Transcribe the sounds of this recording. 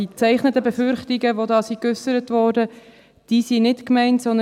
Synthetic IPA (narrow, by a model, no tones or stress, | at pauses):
it͡sæɪχnətəbefʏɾχtiɡəʋodɑːsikʏsəɾətʋɔːɾdə | d̥iːsinɪtkmɛɪntsɔnd̪ə